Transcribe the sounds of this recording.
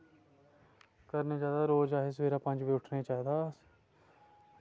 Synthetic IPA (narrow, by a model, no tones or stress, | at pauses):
kəɾneːt͡ʃaːɦd̪aːɾoːd͡ʒaːɦeːsʋeːɾaːpə̃nd͡ʒʋiːʊʈʰneːt͡ʃaːiːd̪aː